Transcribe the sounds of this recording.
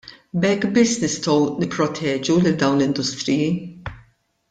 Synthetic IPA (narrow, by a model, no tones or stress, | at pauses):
bɛkːbɪsːnɪst̪ɔwnɪpːɾɔt̪ʰɛːd͡ʒulɪld̪ɐwnlɪnd̪ʊst̪ɾɪji